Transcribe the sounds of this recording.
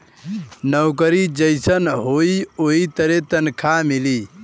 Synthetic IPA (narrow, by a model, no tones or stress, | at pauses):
nəwkəɾid͡ʒəɪsənɦoioɦit̪əɾet̪ənkʰamili